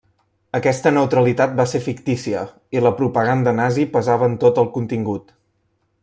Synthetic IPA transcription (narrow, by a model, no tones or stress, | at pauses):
əkɛst̪ənəwt̪ɾəlit̪at̪̚basefikt̪isiə | iləpɾupəɣand̪ənazipəzaβəːnt̪ot̪əlˠkunt̪iŋɡut̪